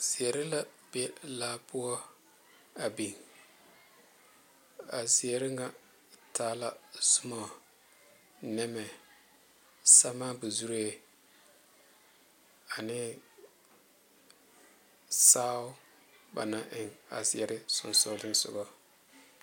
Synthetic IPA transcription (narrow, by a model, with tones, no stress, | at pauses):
z̥i˨ɛ˨ɾɪ˦la˦be˦laː˦bʊ˦ɔ˦ | a˨bi˨ŋ | a˨si˨ɛ˨ɾɪ˦ŋa˦ | taː˦la˦sʊ˦mɔ˨ | nɛ˦mɛ˨ | sa˦maː˦bu˨zu˦ɾe˦˨ | a˨nɪ˦ | saː˦ʊ˦ | ba̰˨na˦ʔɪ˨ŋa̰˨zɪ˨ɛ˨ɾɪ˦sʊ̰˨nsʊ˦dɪ˦nsʊ̰˨ɡɔ˦